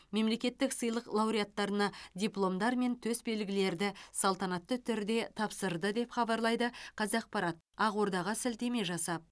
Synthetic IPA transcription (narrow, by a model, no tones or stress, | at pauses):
me̞mle̞kʲe̞t̪ːɪksəjlˠəqlˠɑwɾijat̪ːɑɾənɑdʲijplˠo̞md̪ɑɾme̞nt̪ʰɵsbe̞lɡʲɪle̞ɾd̪ɪsɑlˠt̪ɑnɑt̪ːət̪ʰʏɾd̪e̞t̪ʰɑpsəɾd̪əd̪e̞pχɑbɑɾlˠɑjd̪əqʰɑzɑq̚pɑɾɑt̪̚ | ɑʁwo̞ɾd̪ɑʁɑsɪlt̪e̞me̞ʒɑsɑp̚